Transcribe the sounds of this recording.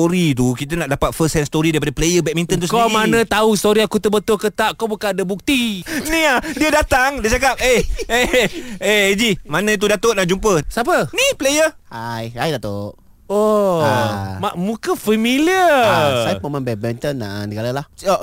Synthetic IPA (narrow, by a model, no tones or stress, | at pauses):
t̪oɾit̪̬ukit̪̬ənaʔdapat̪̚fəsɛnst̪oɾidaɾipadaplejəbɛt̚mint̪ɔnt̪ukamanə̃t̪aust̪oɾiakut̪əbət̪ʊlkət̪aʔkobukanadabuk̚t̪iniadiədat̪aŋdit͡ʃak̬ap̚eeeed͡ʒimanə̃it̪̬udat̪oʔnaʔd͡ʒumpəsapəniplejə | ajajdat̪oʔ | o | maʔmũkəfəmiliəsajapəmãŋbɛt̚mɛnt̪ənːa̰ʔnəɡalalaho